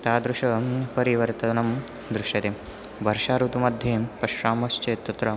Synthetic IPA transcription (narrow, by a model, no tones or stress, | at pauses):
t̪aːd̪ɾuʂɐpɐɾiʋɐɾt̪ɐnɐm | d̪ɾuʃjɐt̪em | bʱɐɾʃaːɾut̪umɐd̪ʱjeːmpɐʃɾaːmɐst͡ʃeːt̪ːɐt̪ɾɐ